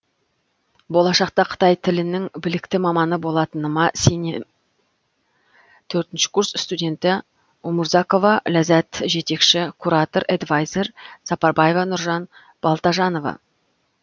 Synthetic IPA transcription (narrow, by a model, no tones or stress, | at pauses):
bo̞lˠɑʃɑq̚t̪ɑqʰə̥t̪ɑjt̪ʰɪlɪnɪŋbɪlɪkt̪ɪmɑmɑnəbo̞lˠɑt̪ənəmɑsene | t̪ʰɵɾt̪ɪnʃɪ̥kʰursst̪udʲe̞nt̪ɪ | oməɾzɑko̞vɑlæzæt̪ʒe̞t̪e̞kʃɪkʰuɾɑt̪o̞ɾed̪vajze̞ɾsɑpɑɾbɑje̞vɑnʊɾʒɑn | b̥ɑlˠt̪ɑʒɑno̞vɑ̰